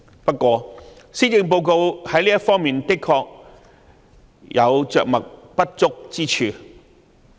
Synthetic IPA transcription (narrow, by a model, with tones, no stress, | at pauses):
pɐ˥t̚kːʷɔː˧ | siː˥jɪ˧ŋp̬o˧wko˧whɐ˨˥jliː˥ɐ˥t̚fɔː˥ŋmiː˨nt̪ɪ˥kʰːɔː˧k̚ | jɐ˨˧wt͡ʃœ̰ː˨k̚mɐ˨˩k̚pɐ˥t̚t͡sʊ˥k̚t͡siː˥t͡ʃʰyː˧